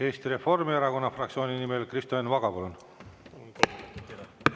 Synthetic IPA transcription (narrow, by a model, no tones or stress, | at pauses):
e̞ːst̪iɾe̞fo̞rmieɾɑko̞nːɑfrɑkt̪sio̞ːninimelkrist̪oenvɑɡ̥ɑpolun